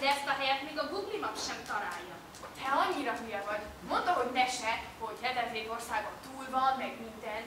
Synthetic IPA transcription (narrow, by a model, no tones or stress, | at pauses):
d̪ɛɛst̪ɒɦɛjɛt̪meːɡɒɡuɡlimɒkʃɛmt̪ɒlaːjːɒ | hotʰɛɒɲːiɾɒmiɛvɒɟmo̞nt̪oɦo̞ɟnɛʃɛho̞ɟhɛd̪ɛzeːt̪o̞rsaːɡot̪uːlvɒnːɛɡmint̪ɛn